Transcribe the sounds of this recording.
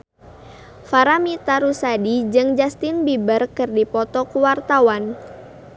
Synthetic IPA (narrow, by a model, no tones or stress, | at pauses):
faɾamit̪aɾusadid͡ʒɨŋd͡ʒast̪inbibərkɨrdipɔt̪ɔkuwart̪awan